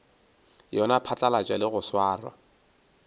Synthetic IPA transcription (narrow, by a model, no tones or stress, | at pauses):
jɔnapʰat͡ɬʼalat͡ʃʼwalɪɣʊswaːrwa̰